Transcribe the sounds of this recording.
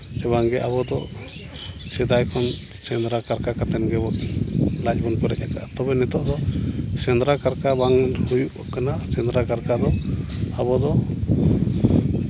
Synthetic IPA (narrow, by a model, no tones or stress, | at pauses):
ɛβaŋɡɛʔaβɔd̪ɔ | sɛd̪ajkʰɔn | sɛnd̪ɾakaɾkakat̪ɛnɡɛbɔʔlac̚bɔnpɔɾɛ̰ʔɛ̰t̪̚ka̰ʔt̪ɔbɛnɛt̪ɔʔd̪ɔsɛnd̪ɾakaɾkabaŋhujuʔkanasɛnd̪ɾakaɾkad̪ɔabɔd̪ɔ